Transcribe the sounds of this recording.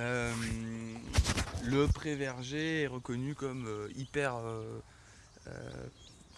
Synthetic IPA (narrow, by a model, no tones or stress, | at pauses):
øm | ləpχevɛʁʒeɛʁəkɔnykɔmøipɛʁø | ø̰